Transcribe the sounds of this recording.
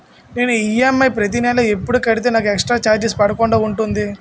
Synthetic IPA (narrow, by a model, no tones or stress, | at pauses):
neːnuijemːɐjpɾɐt̪̬inɛːlɐepːuɽukɐɽit̪̬eːnaːk̬ueksʈɾaːt͡ʃaːɾd͡ʒespɐɽɐkoɳɖoːuɳʈund̪i